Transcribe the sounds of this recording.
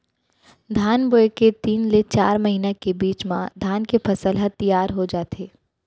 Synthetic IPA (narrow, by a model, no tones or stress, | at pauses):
d̪ʱaːnboːeket̪iːnlet͡ʃaːɾmɐɦinakebiːt͡ʃmãd̪ʱaːnkepʰɐsəlɦət̪ijaːɾɦod͡ʒaːt̪eː